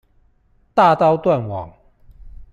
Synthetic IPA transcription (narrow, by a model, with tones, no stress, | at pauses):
t̪a˥˨t̪ɑ˥˧ʊt̪wa˥˨nwɑ̰˨˩ŋ